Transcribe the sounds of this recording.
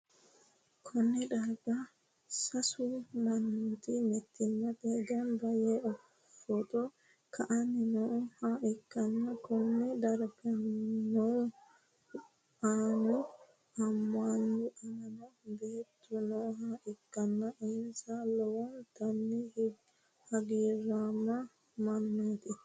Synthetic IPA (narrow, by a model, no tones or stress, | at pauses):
kʰɔnːɛd̪ɐɾba | sɐsumanːut̪imɛt̪ʰːɪnːabɛɡɐnbɐjɛɔ | fɔt̪ɔ | kʰaʔaninɔhaːʔɪkːɐnːakɔnːɛd̪ɐɾbanɔ | ʔaːnʊ | ɐmːandʊʔɐnɐnɐbeːt̪ːʊnɔɦaːʔɪkːɐnːɐʔɛnsalɔwɔnt̪ɐnːɪh | hɐɡiːɾaːmːɐ | mɐnːaːt̪ɪ